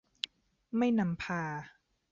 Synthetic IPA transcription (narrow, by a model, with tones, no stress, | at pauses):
ma˥˩jna˧mpʰaː˧